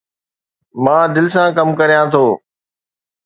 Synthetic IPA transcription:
mãːd̪ɪlɪsãkɐmkɐɾijãt̪ʰoː

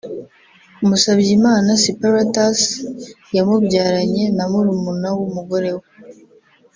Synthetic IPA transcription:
umusaβjimaːnasipaɾatas | jamubɟaːɾaɲe̞namuɾumunawumuɡo̞ɾe̞we

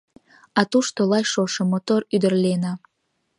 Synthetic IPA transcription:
ɑt̪uʃt̪olɑjʃoʃomot̪oɾyd̪ərlenɑ

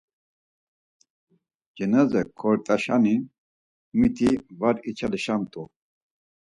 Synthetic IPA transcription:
d͡ʒinazɛkʰːɔɾt̪ʼaʃani | mit̪ʰivaɾit͡ʃʰaliʃamt̪ʼu

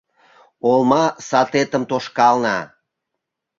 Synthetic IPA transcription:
olmɑsɑt̪et̪əmt̪oʃkɑlnɑ

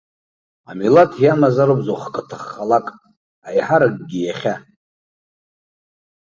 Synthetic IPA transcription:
amilatʰjamazaɾobzoχkʼətʰaχːalakʼ | ajħaɾaɡɡʲijaχʲa

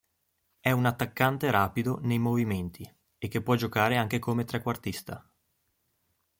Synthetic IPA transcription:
ɛunat̪ːakːant̪eɾaːpid̪onejmoviment̪ʰi | ekːepːwɔd͡ʒokaːɾeaŋk̟ekomet̪ɾɛkːwart̪ist̪a

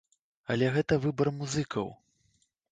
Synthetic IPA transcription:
ɐlʲɛɣɛt̪ɐvɨbɐrmuzɨkʰɐ̰w

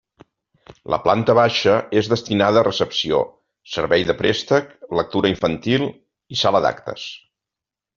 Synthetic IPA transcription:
lə̰plant̪əβ̞aʃəezðəst̪inaðəːrəsəpsio̰ | səɾβɛjðəpɾest̪əklək̚t̪uɾəiɱfənt̪ilˠ | isaləða̰kt̪ə̰s

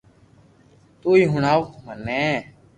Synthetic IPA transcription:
t̪uːiːɦʊɳaːomənẽː

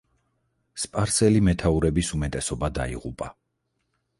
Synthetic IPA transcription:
spʼaɾsɛlimɛt̪ʰauɾɛbisumɛt̪ʼɛsɔbad̪a̰ḭʁupʼa

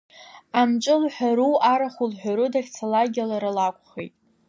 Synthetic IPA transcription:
amt͡ʃʼɨlħʷᶣaɾuaɾaχulħʷᶣaɾudakʲt͡sʰalaɡʲalaɾalakʷʼχḛjtʼ

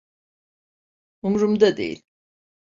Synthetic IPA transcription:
umɾumd̪ad̪ḛjḭlʲ

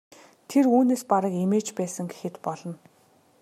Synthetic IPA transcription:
t̪ʰeruːneːspaɾə̆kemeːt͡ɕpæːsə̆ŋɡe̥xɘ̆t̪pɔɮɞ̆n

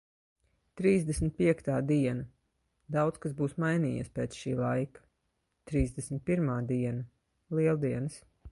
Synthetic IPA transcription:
t̪ɾiːzd̪esmit̪̚pʲiɛkt̪aːd̪iɛna | d̪awt̪skasbuːsmajniːjḭspeːt̪sʃiːlˠajkḁ | t̪ɾiːzd̪ɛsmit̪̚pʲiɾmaːd̪iɛnɐ | lˠiɛlˠd̪iɛns

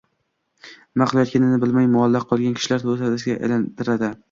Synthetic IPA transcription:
maqʰlˠajɒt̪kʲanɪnɪbɪlmajmʊalːaqʰːɒlˠɡʲankʰʲɪ̥ʃɪlaɾt̪ʰzhad̪ɪsɪɡʲaʔḛlant̪ɪɾad̪ɪ

